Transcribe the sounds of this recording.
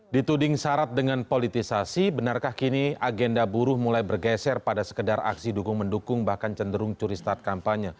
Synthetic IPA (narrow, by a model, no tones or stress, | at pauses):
dit̪udɪŋsaɾat̪̚dəŋanpolit̪isasibənarkahkiniaɡɛndabuɾʊhmulajbərɡɛsɛrpadasə̥kədara̰ksidukʊŋməndukʊŋbahkant͡ʃəndəɾʊŋt͡ʃuɾist̪at̪̚kampaɲə